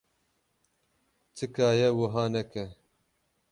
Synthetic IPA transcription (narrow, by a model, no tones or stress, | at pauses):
t͡sʰɨkaːjɛwʊɦaːnɛkɛ